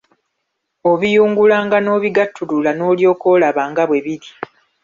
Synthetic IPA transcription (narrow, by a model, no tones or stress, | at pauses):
o̞βijuːŋɡulaːŋɡano̞ːβiɡatːululano̞ːljo̞ːko̞ːlaβaːŋɡaβwe̞βiɾi